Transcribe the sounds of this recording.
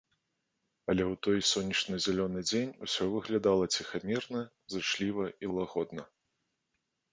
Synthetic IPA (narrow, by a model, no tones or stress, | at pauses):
ɐlʲɛwt̪ɔjsʲɔnʲːɐt͡ʂnɨzʲalʲɔnɨd͡zʲenʲṵsʲɔvɨɣlʲad̪alˠɐt͡sʲixamʲirnɐ | zɨʂlʲivɐʔilˠaɣɔd̪nɐ